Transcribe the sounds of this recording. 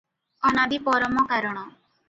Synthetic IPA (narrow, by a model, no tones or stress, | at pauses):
ɔnabipɔɾɔmɔkaɾɔɽ̃ɔ